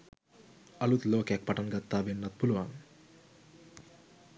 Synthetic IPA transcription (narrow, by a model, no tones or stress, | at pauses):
ɐlut̪loːkɛk̚pɐʈɐnɡɐt̪ːaːbenːɐt̪̚puluʋan